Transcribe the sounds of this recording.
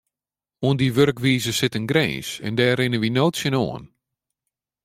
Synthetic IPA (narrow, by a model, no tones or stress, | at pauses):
uəndiʋørkʋiːzəsɪtənɡrḛːnsɛ̰ndɛːɾɪnəʋinoːtsjəno̰ən